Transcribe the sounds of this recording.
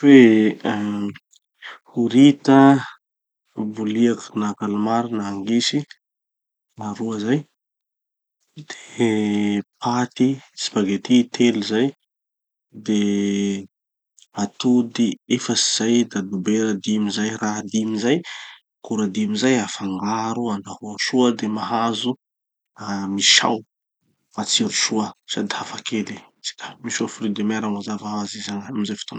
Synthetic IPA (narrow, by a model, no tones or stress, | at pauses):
fe | huɾit̪ə | buliakunakalumaɾinaːŋɡisi | naɾuəzaj | d̪̥e̥ | pʰat̪it͡si̥baɡet̪it̪ʰelizaj | d̪e | at̪ud̪iefəsiz̥ajd̪ad̪ubeɾad̪imizajraɦad̪imizaj | kuɾad̪imizajafaŋɡaɾuanahuaʃuəd̪emaɦazu | amiʃa̰w | at͡siɾuʃuəsa̰d̪ihafakʰeli | t͡si̥kḁmiʃuafulid̪emaɾamazavaɦazizaŋaamizajfi̥t̪on